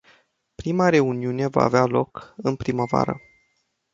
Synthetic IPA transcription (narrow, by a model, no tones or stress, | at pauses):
pɾimaɾe̞uniune̞va̰ːvealo̞kɨnpɾiməva̰ɾə̰